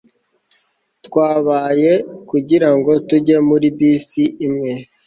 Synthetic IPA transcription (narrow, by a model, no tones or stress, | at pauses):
tkwaːβaːje̞kuɟiɾaŋɡo̞tuɟe̞muɾibiːsiʔːmŋe̞